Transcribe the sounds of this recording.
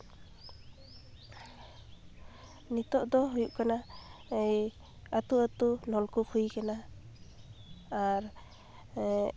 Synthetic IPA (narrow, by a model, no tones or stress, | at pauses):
nit̪ɔʔd̪ɔɦujuʔkana | at̪uat̪unɔlkupʰujkana | ɾ